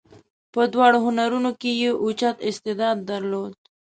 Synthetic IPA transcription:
pəd̪wɑɽoɦʊnaɾunokejeʔut͡ʃat̪ɪst̪ɪd̪ɑd̪ːaɾlod̪

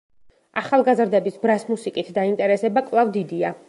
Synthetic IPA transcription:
aχalˠɡazɾd̪ɛbisbɾasmusikʼit̪ʰd̪aint̪ʼɛɾɛsɛbakʼvlˠavd̪id̪ia

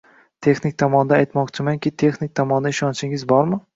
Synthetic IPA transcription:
t̪ʰe̞xnɪk̚ʲt̪ʰɒmɒnd̪aːjt̪mɒqt͡ʃʰɪmaŋkʲɪt̪ʰe̞xnɪk̚ʲt̪ʰɒmɒnd̪aɪʃɒnt͡ʃʰɪŋɪzbɒɾmɪ

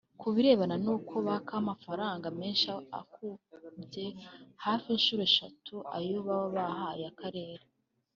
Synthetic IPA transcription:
kuβiɾe̞ːβananuːkʰo̞βakʰamafaɾaːŋɡame̞ːnʃaa̰kuje̞haːfinʃuːɾe̞ʃa̰tuʔa̰ɾjoβawoβahaɾiakaɾe̞ːɾe

